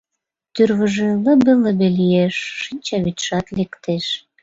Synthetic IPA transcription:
t̪yrβəʒĕləbeləbelijeʃːinʲt͡ɕɑβyt̪ʃɑt̪lekt̪eʃ

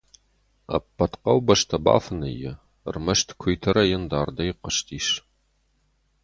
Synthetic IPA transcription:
ɐ̰pʰːɐtqɐwbɐʂtʰɐba̰ːfɨnɐ̰jɪ̰ | rmɐʃtʰkʷʰʊjtʰɐɾɐjɪndaːrdɐjɪqəʃtʰiːʂ

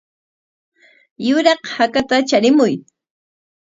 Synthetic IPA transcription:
jʊɾɑqhakat̪at͡ʃaɾɪmʊj

